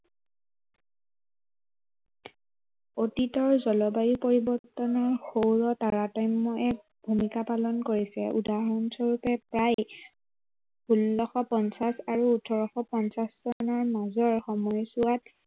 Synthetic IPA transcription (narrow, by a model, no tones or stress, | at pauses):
otitɔɹzɔlɔbajipoɹibɔɹtːɔnɔɹxowɹɔtaɹatɔjmːɔʔɛ | bʱumikapalɔnkoɹisɛ̰ʔṵdaɦɔnsɔɹupɛpɹaj | bʱulːɔxɔpɔnsasaɹuːtʰɔɹɔxɔpɔnsaszɔnɔɹmazɔɹxɔmɔjsuat